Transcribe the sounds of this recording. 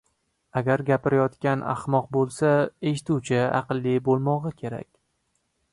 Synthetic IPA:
aɡʲaɾɡʲapɪɾajɒt̪kʲanʔa̰χmɒq̚bolˠsae̞ʃɪt̪uwt͡ʃʰɪɑ̰qɨlˠːibolˠmɒʁɨkʲʰe̞ɾa̰kʲ

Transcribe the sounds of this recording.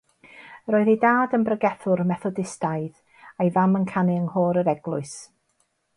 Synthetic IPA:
roːɨðejdaːdənbrəɡɛθʊrmɛθɔdɪstajð | ajvamənkʰanɪəŋhoːɾəɾɛɡlˠʊɨs

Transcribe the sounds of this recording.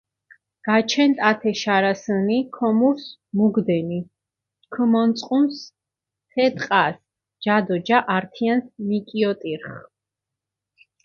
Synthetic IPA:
ɡ̥at͡ʃʰɛnt̪ʼat̪ʰɛʃaɾasənikʰɔmuɾsmuɡd̪ɛni | kʰəmɔnt̪sʼqʼums | t̪ʰɛt̪ʼqʼas | d͡ʒad̪ɔd͡ʒaʔaɾt̪ʰiansmikʼiɔt̪ʼiɾχ

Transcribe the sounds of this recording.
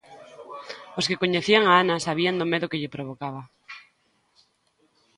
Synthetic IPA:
oskekoɲeθiaŋaanasaβ̞iand̪omeðʊkeʎepɾoβ̞okaβ̞a

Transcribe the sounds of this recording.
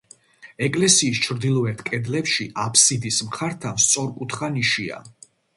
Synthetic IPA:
ɛkʼlɛsiːs̬t͡ʃʰɾd̪ilˠɔɛt̪ʰkʼɛd̪lɛpʃiʔapʰsid̪ismχaɾt̪ʰamst̪sʼɔɾkʼut̪ʰχaniʃia̰

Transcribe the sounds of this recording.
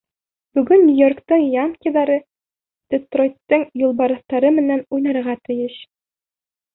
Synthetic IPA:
bʉɡɵnnʲijo̞rkt̪ɤɴjɑŋkʲiðɑɾɤ | d̪̥ʲest̪rojt̪ːɤɴjulˠbɑɾɤ̆θt̪ɑɾɤmɘ̆nænujnɑɾʁɑt̪ɘ̆jɘɕ

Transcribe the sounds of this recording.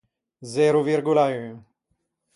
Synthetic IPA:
zɛɾuviɾɡulayn

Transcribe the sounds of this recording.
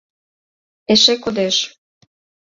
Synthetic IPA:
eʃekod̪eʃ

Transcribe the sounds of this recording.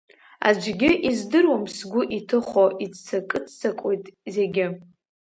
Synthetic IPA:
a̰d͡ʒʷɡʲɪʔizdɨrwamsɡʷʊʔitʰɨχoʔit͡st͡sʰakʼɨt͡sʰt͡sʰakʷʼojtʼze̞ɡʲɪ

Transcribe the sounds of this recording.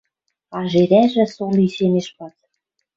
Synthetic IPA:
ɑʒeɾæʒɘ̆soliseneʃpɑz

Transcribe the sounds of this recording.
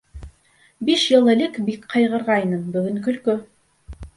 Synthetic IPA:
biʃjɤ̆lˠɘ̆lɘkbikqʰɑjʁɤ̆ɾʁɑjnɤmbɵ̆ɡɘ̆ŋkɵ̆lkɵ

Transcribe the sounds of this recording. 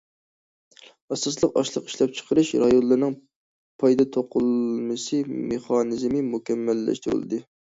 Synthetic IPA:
ɑsɑslˠəqɑʃlˠəqi̥ʃlˠɑp̚t͡ʃʰə̥qʰəɾɨʃɾɑjonlːˠɨɾnɨŋ | pʰɑjd̪ɑt̪ʰoqʰʊlˠmɨsɨmeχɑnɨzmɨmukʲɛmːɛlːɛ̰ʃt̪ɾṵlˠɨ̰d̪ɨ

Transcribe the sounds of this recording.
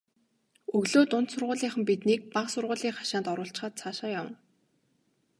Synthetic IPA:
ɵɣɮoːt̪ʊnt̪sʊrʁʊːɮiːŋχə̆mpit̪niːk̚paqsʊrʁʊːɮiːŋχḁʃaːnt̪ɔɾʊːɬt͡ɕ̆χaːt̪̚t͡sʰaːʃaːjawə̰̆n

